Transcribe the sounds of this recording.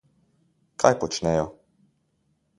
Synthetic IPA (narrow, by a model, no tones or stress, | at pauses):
kʰajpɔt͡ʃnɛjɔ